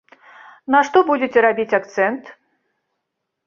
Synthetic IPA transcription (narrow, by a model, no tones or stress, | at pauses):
nɐʂt̪ɔbud͡zʲet͡sʲɛɾabʲit͡sʲakt̪sɛnt̪